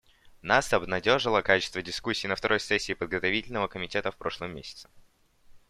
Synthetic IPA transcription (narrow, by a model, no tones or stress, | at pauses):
nasɐbnɐdʲo̞ʐɨlˠəkat͡ɕɪ̥st̪vədʲɪskusʲːiːnəft̪ɐɾʔo̞jsɛsʲːiːpəd̪̚ɡət̪ɐvʲitʲɪlʲnəvəkəmʲɪtʲe̞t̪əfpɾo̞ʂlˠəmʲːesʲɪ̥t̪sɨ̥